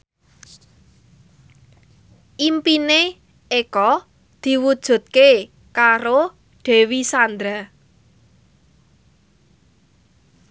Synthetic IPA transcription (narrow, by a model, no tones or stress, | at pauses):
ʔimpine | ekɔ | d̪̥i̤wud̥ʒ̥ṳt̪̚ke | kaɾo | ɖ̥e̤wisand̪ɾa